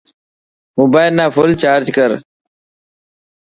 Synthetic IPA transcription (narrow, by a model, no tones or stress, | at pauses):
moːbaːɪlnaːfʊlt͡ʃaːɾd͡ʒkəɾ